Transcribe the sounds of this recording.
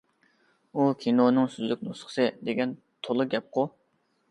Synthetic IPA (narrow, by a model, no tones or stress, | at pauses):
ukʲʰinonɨŋsyzykʲnusχsɨd̪eɡʲɛn | t̪ʰolˠɨɡʲɛp̚qʰʊ